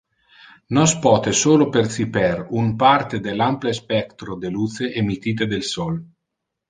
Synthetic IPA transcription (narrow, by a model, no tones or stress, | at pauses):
nɔspɔːt̪esoːlopersipɛrumpart̪ed̪elamplespɛkt̪ɾod̪eluːt̪seʔemit̪iːt̪̬ed̪elsɔl